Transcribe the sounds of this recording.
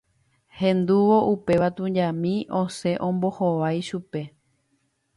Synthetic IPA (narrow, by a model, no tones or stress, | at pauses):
hẽ̞nd̪uʋo̞ʔupe̞ʋat̪ũɲd͡ʒãmĩʔõse̞ʔõ̞mbo̞hoʋajʃupe̞